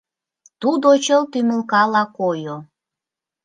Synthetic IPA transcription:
t̪ud̪ot͡ɕəlt̪ymə̆lkɑlɑkojo

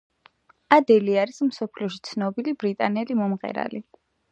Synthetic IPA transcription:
ad̪ɛliaɾismsɔpʰliɔʃi̥t̪sʰnɔbilibɾit̪ʼanɛlimɔmʁɛ̰ɾa̰li

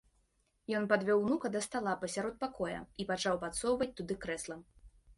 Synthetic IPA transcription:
jɔnpad̪vʲɔwnukɐd̪ɐst̪alˠapɐsʲaɾɔt̪̚pakʰɔjɐ̰ipat͡ʂawpat̪sɔwvɐt͡sʲt̪ud̪ɨkɾɛslˠɐm

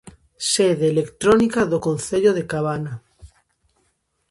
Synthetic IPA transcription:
seðeːlekt̪ɾonikaðokonθeʎoðekaβana

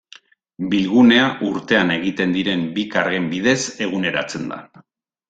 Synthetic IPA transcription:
bilɣune̞aʔuɾt̪e̞ane̞ɣ̞it̪e̞nd̪iɾe̞mbikaɾɣembiðe̞se̞ɣ̞une̞ɾa̰t͡se̞nd̪a̰

